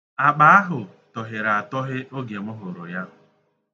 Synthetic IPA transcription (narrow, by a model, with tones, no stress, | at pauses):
a˨k͡pa˦a˦ɦʊ˨ | tɔ˨ɦɪ˨ɾa˨a˨tɔ˦ɦɪ˦ʔo˦ɡe˨mʊ˦ɦʊ˨ɾo˨ja˦